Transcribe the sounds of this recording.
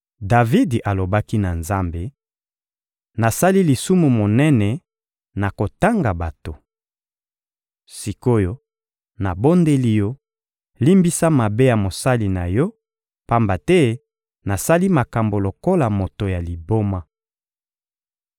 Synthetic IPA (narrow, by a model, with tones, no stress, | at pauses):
da˨vi˦dʔa˨lo˨ba˦ki˦na˨nza˦mbe˦ | na˨sa˦li˦li˨su˦mu˨mo˨nɛ˦nɛ˨ | na˨ko˨ta˦ŋɡa˨ba˨to˨ | si˨ko˦jo˦ | na˨bo˦nde˦li˦jɔ˦ | li˦mbi˦sa˦ma˨be˦ja˨mo˨sa˦li˨na˨jɔ˦ | pa˦mba˨tɛ˦ | na˨sa˦li˦ma˨ka˨mbo˨lo˨ko˦la˨mo˨to˨ja˨li˨bo˦ma˦